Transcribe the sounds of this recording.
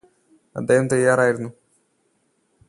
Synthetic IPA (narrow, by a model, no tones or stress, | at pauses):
ɐ̰d̪ːeːhɐmt̪ɐjːaːɾaːjiɾunːu